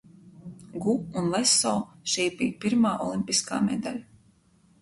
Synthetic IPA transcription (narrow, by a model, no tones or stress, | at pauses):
ɡuunlˠɛsɔːʃiːbiːpiɾmaːʔɔlˠimpiska̰ːmḛd̪alʲ